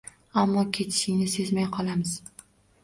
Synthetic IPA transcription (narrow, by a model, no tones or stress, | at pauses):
amːɒkʲʰe̞t̪ʰɪ̥ʃɪŋnɪse̞zmajqʰɒlˠamɪz̥